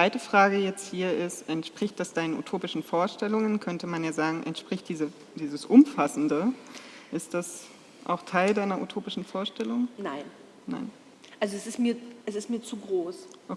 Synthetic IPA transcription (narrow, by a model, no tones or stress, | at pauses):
vaɪtəfʁ̥aːɡəjɛt͡sthiːɐʔɪstʔɛntʃpʁ̥ɪçt̚d̥asd̥aɪnəṵtʰoːpɪʃn̩foːɐʃtɛlʊŋənkʰœntəmanjaːzaːɡŋ̩ʔɛ̰ntʃpʁ̥ɪçt̚d̥iːzə | d̥iːzəsʔʊmfasn̩dəʔɪst̚d̥as | ʔa̰ʊxtʰaɪldaɪnɐʔutʰoːpɪʃn̩foːɐʃtɛlʊŋnaɪn | na̰ɪn | ʔalzoɛsɪstmiːɐɛsɪstmiːɐt͡suɡʁoːsʔo